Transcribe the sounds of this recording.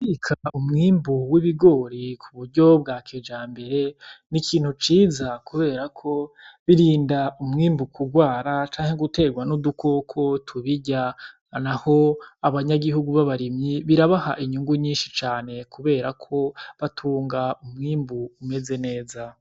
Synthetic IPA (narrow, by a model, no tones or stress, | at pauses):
fikʰaumŋiːmbuwiβiɡo̞ːɾikʰuβuɾɟo̞bɡaːkʰed͡ʒaːmbe̞ɾe̞nikʰiːn̥hut͡ʃiːzakuβe̞ːɾakʰo̞ | βiɾiːndaumŋiːmbukʰuɡwaːɾat͡ʃaːŋhe̞ɡute̞ɡwanudukʰo̞kʰo̞tʰuβiɟa | naho̞aβaɲaɡihuɡuβaβaɾimɲiβiɾaβaha̰ʔiɲuŋɡuɲiːnʃit͡ʃaːne̞kuβe̞ːɾakʰo̞βatʰuːŋɡaumŋiːmbuːme̞ze̞ne̞ːza